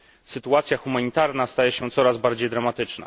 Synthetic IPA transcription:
sɘt̪uat̪sʲjaxumaɲit̪aɾnast̪ajɛɕɛ̃t̪sɔɾazbaɾd͡ʑejd̪ɾamat̪ɘt͡ʂna̰

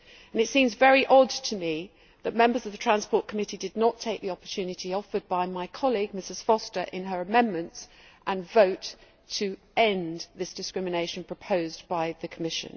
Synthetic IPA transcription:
ə̃nɨtsĩmzvɛɹiʔɒdtʰəmi | ðət̚mɛ̃mbəzəvðətʰɹ̥æ̃nspɔɹʔ̚kʰəmɪtidɨdⁿnətʰeɪk̚ðiɒpə̥tʰʉnɨtʰiɒfəd̚baɪmaɪkʰɑliɡ̚mɪsɨz̥fɒstə˞ʔɪ̃nəɹəmɛ̃nmə̃nts | ʔə̃nvəʊtʰ | ə | ɛ̃nðɪsd̥ɨskɹɪmɨneɪʃə̃n̩pʰɹ̥əpʰəʊzbaɪðɨkʰəmɪʃɨ̰̃n

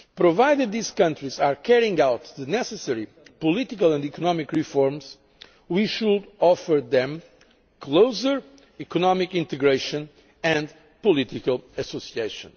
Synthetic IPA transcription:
pɾɔvajd̪ɨd̪̚ðiz̥kʌ̃ntɾɹizaɹkʰɛɹiĩŋɡawt̪ðɨnɛsɨsɛɹi | pɔlit̪ikalˠɛ̃nd̪ikɔnɔmikɹifɔɹmz̥ | wiʃud̪ɔfəɹðɛ̃m | kʰloʊzə˞ | ikɔnɔmikĩnt̪ɨɡɹeʃə̃n | ɨ̃nd̪ | pɔlit̪ikalˠɨsosieɪʃə̰̃n

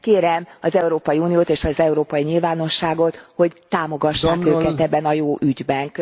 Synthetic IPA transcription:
keːɾɛmɒzɛuɾoːpɒjiuːnijoːt̪eːʃɒzɛuɾoːpɒjiɲilvaːno̞ʃːaːɡo̞t̪ho̞ɟt̪aːmo̞ɡɒʃːaːkøːkɛɛbːɛnɒjoːʔyɟbɛŋk

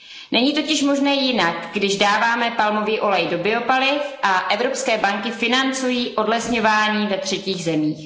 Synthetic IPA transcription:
nɛɲiːt̪ocɪʃmo̞ʒnɛːjɪnakɡdɪʒdaːvaːmɛpalmo̞viːʔo̞lɛjdo̞bɪo̞palɪfʔaʔɛvɾo̞pskɛːbaŋkɪfɪnant͡sujiːʔo̞dlɛsɲovaːɲiːvɛt̪r̝̥ɛciːɣzɛmiːx

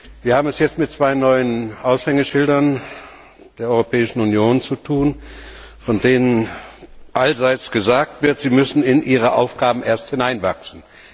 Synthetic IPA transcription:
v̥iːɐhaːbm̩ɛsjɛt͡stmɪt̚t͡sv̥aɪnɔʏənʔaʊshɛŋəʃɪldɐn | d̥eːɐɔʏʁopʰɛːɪʃn̩unjoːnt͡sutʰuːn | fɔndeːnən | ʔalzaɪt͡sɡ̥əzaːk̚tv̥ɪɐtz̥iːmʏsn̩ɪnʔiːʁ̞əʔa̰ʊfɡ̥aːbm̩ʔeːɐsthɪnaɪnva̰ksn̩

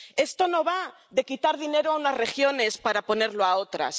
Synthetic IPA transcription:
e̞st̪o̞no̞βa | ðe̞kit̪aɾðine̞ɾoaunazre̞xjo̞ne̞spaɾapo̞ne̞ɾloao̞t̪ɾa̰s

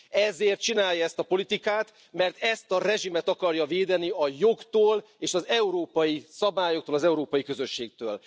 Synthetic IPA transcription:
ɛzeːrt̪̚t͡ʃinaːljɒɛst̪ɒpo̞lit̪ikaːt̪ | mɛrt̪ɛst̪ɒrɛʒimɛt̪ɒkɒrjɒveːd̪ɛniɒjo̞ɡt̪oːl | eːʃɒzɛuɾoːpɒjisɒbaːjokt̪oːlɒzɛuɾoːpɒjikø̞zø̞ʃːeːk̚t̪øːl

